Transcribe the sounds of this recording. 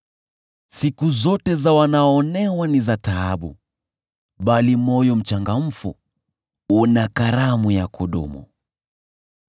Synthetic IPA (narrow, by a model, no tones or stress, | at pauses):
sikuzɔtɛzawanaɔːnɛwanizataaɓṵ | ɓalimɔjɔm̩t͡ʃaŋɡam̩fṵ | unakaɾamujakʰɔɗɔ̰mṵ